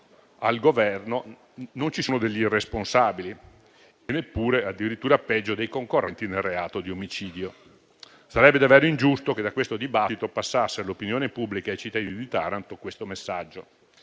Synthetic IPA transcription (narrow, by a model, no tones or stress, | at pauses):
alɡovɛrno | nont͡ʃisuːnod̪eʎːiiresponsaːbili | enepːuːɾead̪ːiɾit̪ːuːɾapɛd͡ʒːod̪ejkoŋkorːɛnt̪inelreaːt̪od̪iomit͡ʃiːd̪jo | saɾɛbːed̪avɛːɾoind͡ʒust̪oked̪ːakːwest̪od̪ibat̪ːit̪opasːasːelopinjoːnepubːlikaejt͡ʃit̪ːad̪inid̪it̪aɾant̪okwest̪omesːad͡ʒːo